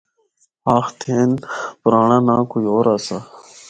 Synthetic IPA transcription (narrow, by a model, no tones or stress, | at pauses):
aːxt̪ʰeːnpɾaːɳanãːkujoːɾasa